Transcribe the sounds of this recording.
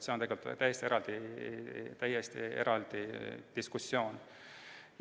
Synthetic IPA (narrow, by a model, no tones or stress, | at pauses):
se̞ont̪eelt̪t̪æjest̪ieɾɑld̪̥i | t̪æjest̪ie̞̰ɾɑld̪̥id̪̥iskusːjo̞ːn